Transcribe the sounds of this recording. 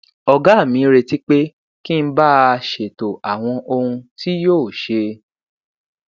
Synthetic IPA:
ɔ˧ɡa˨˦˨mĩ˨˦ɾe˧ti˦k͡pe˦ | ki˦n̩˦ba˦˧ʃe˨to˨ʔa˨w̃ɔ̃˧ʔo˧hũ˧ti˦joː˦˨ʃe˧

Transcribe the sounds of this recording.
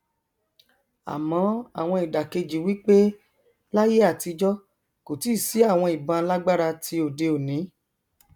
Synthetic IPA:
a̰˨mɔ̃˨˦a̰˦˨w̃ɔ̃˧i˨da˨ke˧d͡ʒi˨wi˦k͡pe˦ | la˦je˦a˦˨ti˧d͡ʒɔ˦ | ko˨ti˨˦˨si˨˦a˦˨w̃ɔ̃˧i˨bã˧la˦ɡ͡ba˦ɾa˧tʰi˦o˨de˧o˨nĩ˨˦

